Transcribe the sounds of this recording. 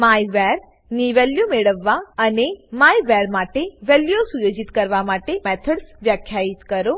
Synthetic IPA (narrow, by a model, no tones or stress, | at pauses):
majʋɛɾ | niʋɛljumeɭəʋːaənemajʋɛɾmaʈeʋɛljosujod͡ʒit̪kəɾʋamaʈemɛt̪ʰəɽsʋjakʰjait̪kəɾo